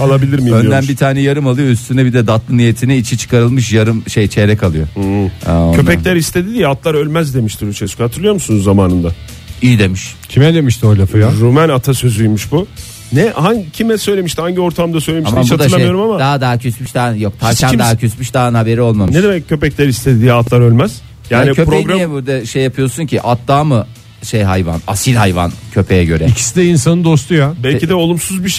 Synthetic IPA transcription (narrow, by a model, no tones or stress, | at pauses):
alˠabilʲiɾmiønd̪ænbit̪ʰaːnɛjaɾɯmalˠɯjoyst̪ʰynɛbid̪ɛd̪at̪lˠɯnije̞t̪ʰinɛit͡ʃʰit͡ʃʰɯ̥kaɾɯlˠmɯʃ̬jaɾɯmʃejt͡ʃʰeɾɛcalˠɯjo̞̰ha̰ocʰøpɛlʲæɾist̪ʰe̞d̪id̪ijɛat̪lˠaɾø̞lʲmæzd̪e̞miʃt̪ʰiɾyt͡ʃʰɛskuhat̪ʰɯɾlˠɯjo̞ɾmusunuzːamaːnɯnd̪a | iid̪e̞miʃcʰimɛd̪emiʃt̪ʰiojlʲafɯaɾumænat̪ʰasøzyjmuʃbu | nɛhaɲcʰimɛsø̞jlʲe̞miʃt̪ʰihaɲɟio̞ɾt̪ʰamd̪asøjlʲemaʃamat͡ʃad̪aajoɾumamad̪aɦad̪acʰøsmyʃd̪aːjok̚t̪ʰaɾʲʰænd̪aacʰøsmyʃd̪aːnhabe̞ɾio̞lˠmamnɯeʃd̪emɛccʰːø̞pɛclʲɛɾist̪ʰe̞d̪iːat̪lˠaɾølʲmæz̥ | jaːnicʰøpɾoɡɾaɛbuɾd̪ɛʃejːapʰɯjo̞suncʰiʔat̪d̪aːmɯ | ʃejɦajva̰na̰silʲɦajva̰ncʰø̞pʰejɛɟø̞ɾɛicʰi̥sid̪ɛinsanɯnd̪o̞st̪ʰujabɛlʲid̪ɛo̞lˠumsuzbiʃ